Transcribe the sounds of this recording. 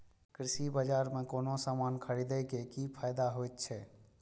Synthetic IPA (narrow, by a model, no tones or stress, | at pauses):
kɾɪsibəd͡ʒaːɾmẽkoːnosaːmaːnkʰəɾid̪ɛkekipʰaːjd̪aɦojt̪t͡ʃʰɛ